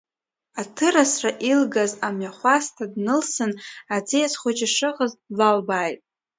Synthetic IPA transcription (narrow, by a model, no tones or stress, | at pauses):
atʰɨɾasraʔilɡazamɥaχʷastʰadnɨlsɨnad͡zijasχʷʊt͡ʃaʂɨqəzlalbaːjtʼ